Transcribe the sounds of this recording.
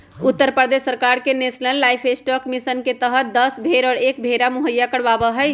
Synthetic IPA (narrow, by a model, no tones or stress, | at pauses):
ut̪ːəɾpɾəd̪esːəɾkaɾkenesnəlːajpʰesʈɔkmisənket̪əɦət̪̚d̪əsbʱeɾɔːɾek̚bʱeɾamuɦəjːakəɽbabəɦəj